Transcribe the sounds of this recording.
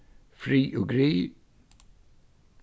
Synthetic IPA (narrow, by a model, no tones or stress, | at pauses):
fɾiːʔʊɡɾiː